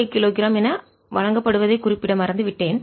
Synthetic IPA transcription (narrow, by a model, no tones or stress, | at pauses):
ɪkːɪloːɣɪɾaːmɛnɐ | ʋɐɻɐŋɡɐpːɐɽɯʋɐðɐɪkʊrɪpːɪɽɐmɐɾɐnd̪ɯʋɪʈːeːn